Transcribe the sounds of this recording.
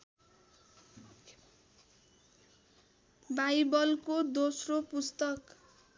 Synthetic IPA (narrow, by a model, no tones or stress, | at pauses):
bajbʌlkod̪osropust̪ʌk